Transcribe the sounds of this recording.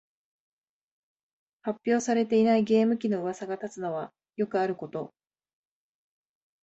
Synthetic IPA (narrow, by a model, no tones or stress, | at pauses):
hapʲːjo̞ːsaɾe̞t̪e̞inaiɡe̞ːmɯ̟kʲino̞ɯ̟βasaɡat̪at͡sɨno̞βa | jo̞kɯ̟aɾɯ̟ko̞t̪o̞